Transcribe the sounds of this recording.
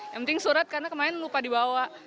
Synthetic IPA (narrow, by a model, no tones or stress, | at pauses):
japənt̪ɪŋsuɾat̪̚karnakəmaɪnlupadibawa